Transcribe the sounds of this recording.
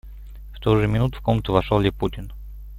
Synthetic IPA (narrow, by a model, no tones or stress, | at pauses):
ft̪ojʐɨmʲɪnut̪ʊ̥fkomnət̪ʊvɐʂolˠlʲɪputʲɪn